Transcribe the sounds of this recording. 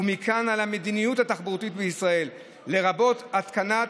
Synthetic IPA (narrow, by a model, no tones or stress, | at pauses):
umikʰanalame̞d̪inijuthataχbut̪it̪beisʁae̞lː | e̞ʁabo̞tat̪kana